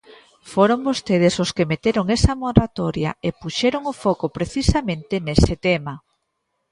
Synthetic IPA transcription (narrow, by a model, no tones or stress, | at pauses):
foɾombost̪eð̞ɪsoskemet̪eɾoŋesɐmoɾat̪oɾjɐ̰epuʃɛɾoŋʊfɔkopɾeθisamẽnt̪ɪnesɪt̪emɐ